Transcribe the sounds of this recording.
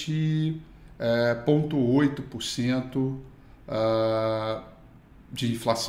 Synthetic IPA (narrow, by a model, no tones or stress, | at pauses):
t͡ʃɪ | ɛpõt̪ʊojt̪ʊpoɾsẽnt̪ʊ | a | d͡ʒɪĩflas